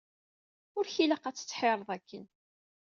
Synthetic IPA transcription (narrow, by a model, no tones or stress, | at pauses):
ʊɾçiləqæt͡sːə̥t͡sːħeɾˤðˤækːən